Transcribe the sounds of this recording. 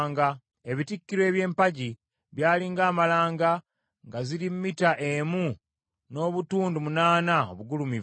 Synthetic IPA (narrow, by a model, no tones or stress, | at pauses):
ŋɡa | e̞βitikːiɾwe̞ːβje̞ːmpaɟi | βjaːliːŋɡaːmalaːŋɡa | ŋɡaziɾimːitaʔemu | no̞ːβutuːndumunaːnao̰βuɡulumiv